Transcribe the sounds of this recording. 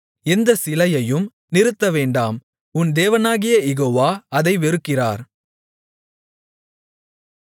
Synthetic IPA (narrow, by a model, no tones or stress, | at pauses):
ɛnd̪ɐsɪlɐjɐjɯm | nɪɾɯt̪ːɐʋeːɳɖaːm | ʊnd̪eːʋɐnaːɣɪjɐjɛɣoːʋaːɐðɐɪʋɛɾɯkːɪra̰ːɾ